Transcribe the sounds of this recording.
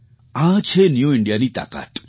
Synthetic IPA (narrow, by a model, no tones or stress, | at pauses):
ãt͡ʃʰenjũɪɳɖijaniːt̪a̰ːka̰ːt̪